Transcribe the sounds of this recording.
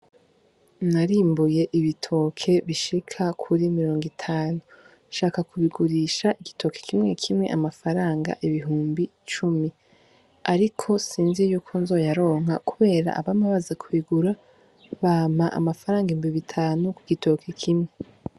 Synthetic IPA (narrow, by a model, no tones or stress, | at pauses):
naɾiːmbuje̞ʔiβitʰo̞kʰe̞βiʃikʰakʰuɾimiɾo̞ːŋɡitʰaːnu | ʃaːkakʰuβiɡuɾiːʃaʔiɡitʰo̞kekʰimŋe̞kʰimŋe̞̰ʔamafaɾaːŋɡa̰ʔiβiɦuːmbi | t͡ʃumi | aɾikʰo̞siːnzijuːkʰo̞nzo̞ːjaɾo̞ːŋ̥ɦakuβe̞ːɾa̰ʔa̰βamaβazekʰuiɡuɾa | βaːmaʔa̰mafaɾaːŋɡimbiβitʰaːnukuɡito̞kʰekʰimŋe̞